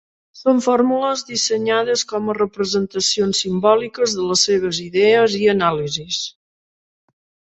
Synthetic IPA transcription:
soɱfoɾmuləzðisəɲaðəskɔmərəpɾəzənt̪əsionsːimbɔlikəzðələsːeβ̞əziðɛəziənalizis

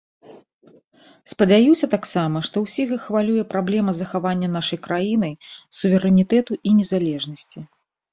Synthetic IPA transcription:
spɐd͡zʲajusʲɐt̪aksamɐʂt̪ɔwsʲiɣɐxvalʲujɛpɾablʲɛmɐzɐxavanʲːɐn̪aʂɐjkɾajin̪ɐjsuvʲɛɾɛnʲit̪ɛt̪uʔinʲɛzalʲɛʐnɐsʲt͡sʲi

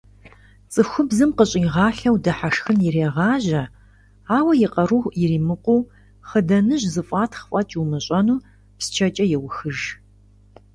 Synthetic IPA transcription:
t͡sʼɨxʷʊbzɨmqəɕʼɪʁɑːɬɐwdɐħaʂxɨnjɪreːʁɑːʑɐ | aːwɐjɪqɐruxʷjɪɾiːmɨqʷuː | χədɐnɨʑzɨfʼaːtʰχəfʼɐt͡ʃʰʼwumɨɕʼɐnuː | pst͡ʃʰɐt͡ʃʼɐjɛwʊxɨʒ

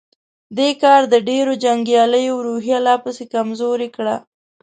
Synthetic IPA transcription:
d̪ekɑɾd̪əɖeɾod͡ʒaŋɡjɑləjowɾuɦijalɑpəsekamzoɾekɽa

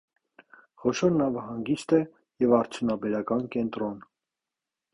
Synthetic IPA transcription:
χɔʃɔɾnɑvəhɑŋɡist̪ɛ | jɛvɑɾt͡sʰjunɑbɛɾɑkɑnkɛnt̪ɾɔn

